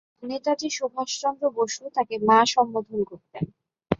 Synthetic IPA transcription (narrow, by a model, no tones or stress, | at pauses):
net̪aʈiʃubʱaʃt͡ɕɔnd̪ɾoboʃut̪akemaʃɔmːod̪ʱonkoɾt̪en